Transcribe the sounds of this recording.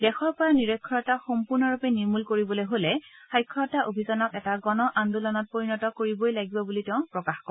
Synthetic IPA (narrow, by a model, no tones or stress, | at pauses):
dɛxɔɹpɔɹaniɹɔkʰːɔɹɔtaxɔmpuɹnɔɹupeniɹmulkoɹibɔlojɦolɛ | xajkʰːɔɹɔtaʔobʱizɔnɔkɛtaɡɔnɔʔandulɔnɔt̚poɹinɔtɔkoɹibojlaɡibɔbulitɛʊ̃pɹɔkaxkɔ